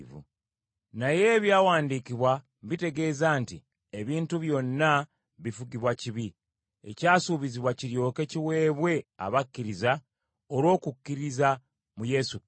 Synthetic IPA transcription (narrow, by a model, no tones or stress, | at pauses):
vṵ | naje̞ːβjaːwaːndikiβwa | βite̞ɡe̞ːzaːnti | e̞βiːntuβjo̞nːa | βifuɡiβwaciβi | ḛcaːsuβiziβwaciɾjo̞ːke̞ciwe̞ːβwe̞a̰βakːiɾiza | oɾwo̞ːkukːiɾiza | muje̞su